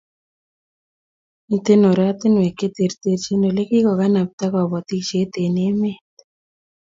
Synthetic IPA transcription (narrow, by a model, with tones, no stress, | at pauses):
i˨t̪e˦no˨ɾa˦t̪ɪ˦nwe˨ke˦t̪e˨ɾt̪e˧ɾt͡ʃe˦no˨le˦ki˦kɔ˨ka˦na˨p̚t̪a˦kɔ˨βɔ˨t̪i˦kt͡ʃe˦t̪e˨ne˦me˦t̪